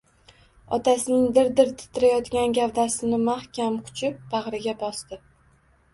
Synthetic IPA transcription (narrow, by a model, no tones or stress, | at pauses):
ɒt̪ʰasɪnɪŋd̪ɪɾd̪ɪɾt̪ʰɪ̥t̪ʰɪɾajɒt̪ɡʲanɡʲavd̪asɪnɪmahkʲamqʰʊ̥t͡ʃʰɪp̚baʁɾɪɡʲabɒst̪ɪ